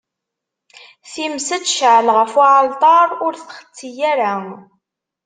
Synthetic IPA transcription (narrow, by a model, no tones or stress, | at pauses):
θimsæt͡sːʃʕlʁəfaʕəlt̪ˤɑɾˤʊɾθχə̥t͡sːijæɾa